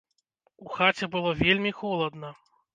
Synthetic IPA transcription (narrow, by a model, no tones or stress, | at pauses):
uxat͡sʲɛbɨlˠɔvʲelʲmʲixɔlˠɐd̪nɐ